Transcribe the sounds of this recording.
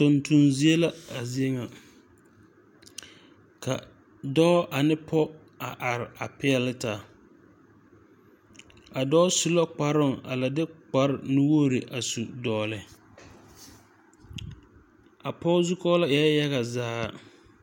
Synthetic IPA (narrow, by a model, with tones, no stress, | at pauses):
tʊ˨ntu˨nzi˦e˦la˦a˨zi˦e˦ŋa˨ | ka̰˨ | dɔː˦ʔa˨nɪ˦pʰɔ˦ | a˨ʔa˨ɾɪ˨a˨pɪ˦ɛ˨lɪ˦taː˨ | a˨dɔː˦su˦la˦k͡pa˨ɾʊ˦˨ŋa̰˨la˨dɪ˦k͡pa˦ɾɪ˨nʊ˦wo˦˨ɾɪ˨ʔa˨su˨dɔː˨lɪ˨ | a˨pɔ˦zu˦kɔ˦la˦ja˦ja˦ɣa˨zaː˦˨